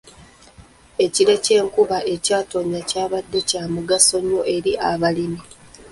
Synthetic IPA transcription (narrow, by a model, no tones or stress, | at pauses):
e̞ciɾe̞ce̞ːŋkuβaʔe̞caːto̞ɲacaːβadːe̞caːmuɡaso̞ɲoʔe̞ɾiʔaβalimi